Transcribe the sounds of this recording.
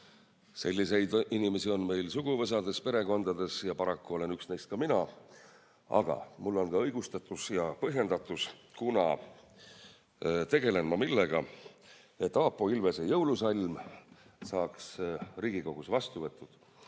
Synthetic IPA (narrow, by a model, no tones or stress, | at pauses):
se̞lʲːise̞jd̪̥inime̞sio̞nme̞jlsuɡ̥uvɤs̬ɑd̪̥e̞spe̞ɾe̞ko̞nd̪ɑd̪̥e̞sjɑpɑɾɑkːuo̞le̞nyksne̞jst̪̚kɑminɑ | ɑ̰ɡ̥ɑ̰mulːo̞nkɑɤjɡ̥ust̪ɑt̪ːˑusjɑpɤɦje̞nd̪̥ɑt̪ːˑuskunɑ | t̪e̞ɡe̞le̞nmɑmilːe̞ɡ̥ɑ | e̞t̪ːˑɑːpːˑo̞ilvesejɤwlusɑlʲm | sɑːksriːɡ̥iko̞ɡ̥usvɑst̪uvɤt̪ˑːud̪̥